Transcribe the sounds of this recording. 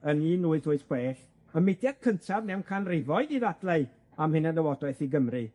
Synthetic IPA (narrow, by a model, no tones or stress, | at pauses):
əniːnuːɨθʊɨθkweːɬ | əmɪdjad̥̚kʰəntʰavnɛwnkʰanrɪvɔɨdiðadlˠaɨ | amhɨnanəwɔdɔɨθiɡəmri